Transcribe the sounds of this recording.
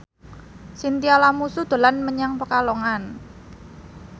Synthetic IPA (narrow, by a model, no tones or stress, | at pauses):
sint̪ialamusud̪̥ə̤lanməɲaŋpəkalɔŋan